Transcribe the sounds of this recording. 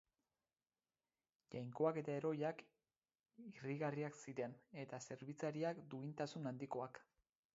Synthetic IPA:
ʝajŋko̞ake̞t̪ae̞ɾo̞jak | iriɣariaksiɾe̞ne̞t̪ase̞ɾβit͡saɾiakd̪uint̪asunand̪iko̞ak

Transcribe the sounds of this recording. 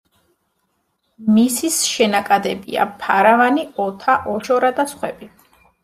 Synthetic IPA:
misisʃɛnakʼad̪ɛbḭa̰pʰaɾavaniɔt̪ʰaʔɔʃɔɾad̪at̪sʰχwɛbi

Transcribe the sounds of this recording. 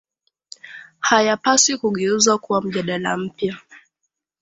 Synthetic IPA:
hajapasikuɠɛuzakuwam̩ʄaɗala̰m̩pja

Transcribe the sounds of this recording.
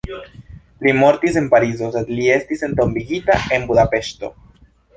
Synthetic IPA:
limoɾt̪is̬empaɾiz̬oset̪liest̪isent̪ombiɣit̪a̰embuðapeʃt̪o̰

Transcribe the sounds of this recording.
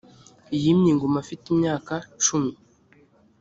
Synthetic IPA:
ijimɲiːŋɡomafitimɲaːkat͡ʃumi

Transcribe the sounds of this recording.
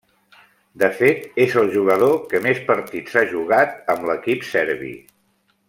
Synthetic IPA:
d̪əfet̪ezəlˠʒuɣəðokəmespəɾt̪iz̥aʒuɣ̞at̪əmləkipsɛɾβḭ

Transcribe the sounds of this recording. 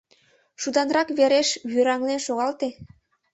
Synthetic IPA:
ʃud̪ɑnrɑkβeɾeʃβyɾɑŋlenʃoɣɑlt̪e

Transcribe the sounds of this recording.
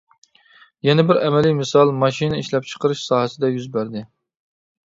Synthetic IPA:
jɛnɛbɪɾɛmɛlijmɨsɑlˠmɑʃinɨiʃlɛp̚t͡ʃʰə̥qəɾɨʃsɑːɦɛsɪd̪ɛjyzbæɾd̪ɪ

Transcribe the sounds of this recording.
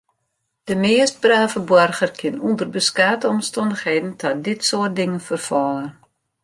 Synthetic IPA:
d̥əmɪəst̚braːvəbɔrχərkʰɪnundərbəskaːtəɔmstɔndəxɦeːdn̩tʰɔt̚dɪtsoərt̚dɪŋəfərfɔːlər

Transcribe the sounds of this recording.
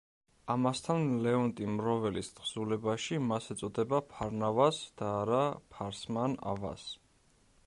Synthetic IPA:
amast̪ʰanlɛɔnt̪ʼimɾɔvɛlist̪χz̥ulɛbaʃimasɛt̪sʼɔd̪ɛbapʰaɾnavasd̪̥aːɾapʰaɾsmana̰va̰s

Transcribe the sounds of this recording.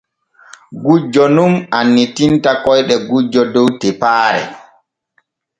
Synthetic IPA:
ɡud͡ʒːɔnumanːitintakɔjɗɛɡud͡ʒɔdɔwtɛpaːɾɛ̰

